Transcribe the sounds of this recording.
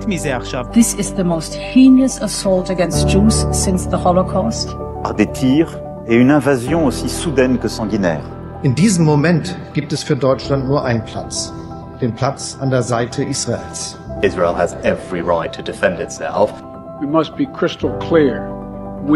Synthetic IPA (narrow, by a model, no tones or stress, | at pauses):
tmizeaʁʃavðɪsɪzðəmoʊst̚hĩnəsəsɔlˠtəɡɛ̃nst̚d̥ʒ̥uzsɪ̃nsðəhɔlokʰɔst | paʁd̪et̪ʰiːʁ | eynɛ̃vazjɔ̃osisud̪ɛnkəsɑ̃ɡinɛ̰ːʁ | ʔɪndiːzəmːomɛntɡ̥iːp̚tɛsfyːɐdɔʏt͡ʃlantnuːɐʔaɪnənpʰl̥at͡s | d̥eːnpʰl̥at͡sʔandeːɐzaɪtʰəʔiːsʁ̥aḛːls | ɪzɹelˠhæzɛvɹiɹaɪtʰːudɪfɛ̃ndɪtsɛ̰lˠf | wimʌst̚b̥ikʰɹ̥ɪstl̩ˠkʰl̥iɹ | w